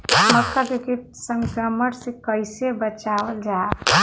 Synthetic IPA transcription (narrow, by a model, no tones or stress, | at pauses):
məkːad̪ikit̪̚ | səŋkɾəməɽsẽkəjsebət͡ʃawəld͡ʒa